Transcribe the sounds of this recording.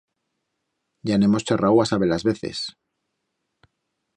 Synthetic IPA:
ɟ͡ʝanemo̞st͡ʃerawasaβelazβe̞θḛs

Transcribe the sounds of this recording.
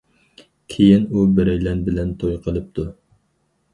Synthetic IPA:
kʲʰejinubɪɾɛjlɛnbɪlɛnt̪ʰojqʰəlˠɨp̚t̪ʰu

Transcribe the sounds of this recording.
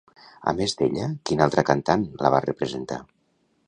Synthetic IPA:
a̰mezd̪eʎəkinalˠt̪ɾəkant̪anlaβ̞arəpɾəzent̪a̰

